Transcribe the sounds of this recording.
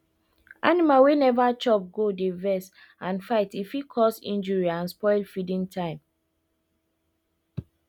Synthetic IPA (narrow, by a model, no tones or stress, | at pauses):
ʔanimalwenɛvat͡ʃɔp̚ɡodevɛs | ãnfaɪtifikʰɔsḭ̃nd͡ʒɔɹiãnspɔɪlfidĩŋtʰãɪ̃m